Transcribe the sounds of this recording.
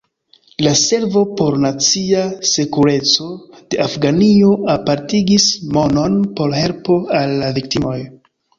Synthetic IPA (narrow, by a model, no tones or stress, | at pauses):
lase̞ɾvo̞po̞ɾnat͡siase̞kuɾe̞t͡so̞d̥e̞afɡanio̞apaɾtiɡismo̞no̞npo̞ɾɦe̞lpo̞alːavik̚timo̞j